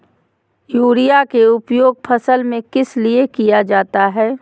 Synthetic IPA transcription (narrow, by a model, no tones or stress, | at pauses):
juːɾijakeʊpjoːɡ̚pʰɐsəlmẽkɪsliekijad͡ʒaːt̪aɦɛː